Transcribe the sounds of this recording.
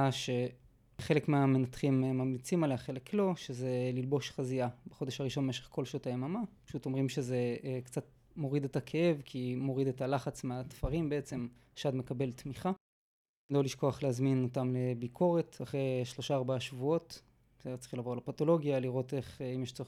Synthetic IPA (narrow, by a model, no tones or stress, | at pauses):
aʃe̞ | χe̞le̞kmeame̞nat̪χimmamlit͡simaleaχelekʰlo̞ʃeze̞lilbo̞ʃχaziabaχo̞d̪eʃhaʁiʃo̞nmeʃeχko̞lʃotaemamapḁʃuto̞mʁimʃe̞ze̞kt͡sat̚ | mo̞ʁid̪etakʰe̞e̞vkʰimo̞ʁid̪e̞talaχat͡smeat̪faʁimbeet͡se̞m | ʃadme̞kabe̞ltmiχa | lo̞liʃko̞aχlehazmino̞tamle̞bikʰo̞ʁe̞taχʁejʃlo̞ʃaːʁbaaʃvuo̞t | sedett͡sχilavo̞ʁlapato̞lo̞ɡjaliʁo̞te̞χimjeʃt͡soi